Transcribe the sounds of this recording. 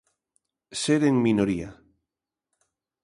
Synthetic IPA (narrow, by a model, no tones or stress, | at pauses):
seɾeŋminoɾia